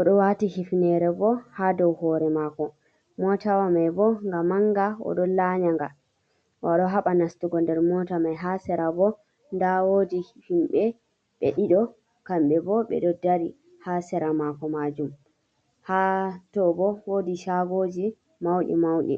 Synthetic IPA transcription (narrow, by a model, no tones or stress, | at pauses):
ʔɔɗɔwatihifnɛɾɛbɔhadɔwhɔɾɛmakɔ | mɔtawamajbɔŋɡamaŋɡaɔ̰ɗɔlaɲaŋɡa | waɗɔɦaɓanastuɡɔndɛɾmɔtamajɦasɛɾabɔ | ndawodihhimɓɛ | ɓɛ̰ɗiɗɔ | kamɓɛbɔɓɛ̰ɗɔdaɾi | hasɛɾamakɔmad͡ʒum | hatɔbɔwodiʃaɡod͡ʒi | mawɗḭmawɗḭ